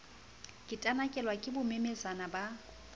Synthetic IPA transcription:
kʼɪtʼanakʼɛlwakʼɪbʊmemesanaba

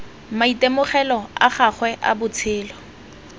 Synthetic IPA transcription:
maitemʊχɛlɔa̰χaχwɛʔa̰bʊt͡sʰɪːlɔ

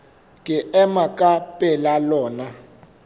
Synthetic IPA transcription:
kɛʔɛmakʼapʼɛlalɔːna

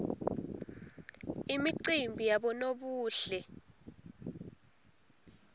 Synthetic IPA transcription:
imiǀimbʱijaɓɔnoɓuːɬɛ

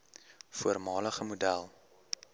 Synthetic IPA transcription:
fuərmɑːləχəmudælˠ

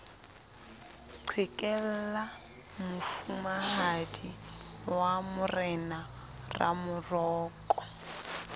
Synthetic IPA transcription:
ǀʰwɪkʼɛl̩la | mʊfumaɦadiwamʊrɛna | ra̰mʊrɔːkʼɔ̥

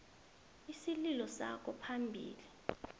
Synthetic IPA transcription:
isililɔsa̰kʰɔpʰambʱḭːli

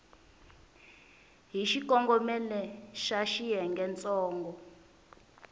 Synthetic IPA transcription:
ɦiʃik̬ʼɔŋɡɔmɛlɛʃaʃijɛŋɡɛnt͡sʼɔːŋɡɔ

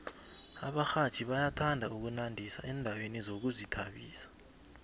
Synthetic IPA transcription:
a̰ɓaxḁt͡ʃʼiɓajatʰandʱauk̬unandʱisa̰ʔɛndʱawenizok̬uzitʰaɓiːsḁ

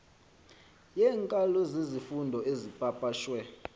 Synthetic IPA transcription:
jɛŋkʼalozizifundʱɔezipʼapʼaːʃwɛ

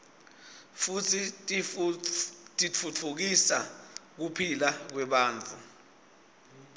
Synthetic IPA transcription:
futʰi | tʼit͡fʰut͡fʰuk̬isa̰k̬upʰilak̬wɛɓaːnt͡fʰu

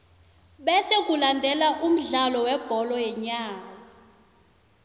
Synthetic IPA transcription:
ɓɛsek̬ʼulandʱɛlaʔum̩ɮalɔwɛb̥ʱɔlɔjɛɲaːka

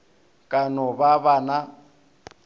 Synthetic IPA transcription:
kʼanɔbaβana

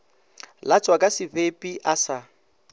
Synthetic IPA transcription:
lat͡sʼwakʼasɪvepʼiʔasa

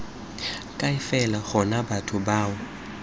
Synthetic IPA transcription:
kʼaɪfɛlaɣɔnabatʰʊbaːwɔ

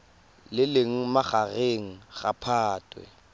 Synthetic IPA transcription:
lɪleŋ̩maχaɣeŋ̩ɣapʰaːtʼwɛ̰

